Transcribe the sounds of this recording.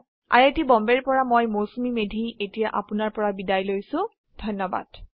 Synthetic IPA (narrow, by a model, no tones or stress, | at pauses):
a̰ɹetibɔmbɛɹpɔɹamojmosumimedʱietijaʔapʊnaɹpɔɹabidajlojsʊ̃ | d̥ʱɔnːɔba̰d̥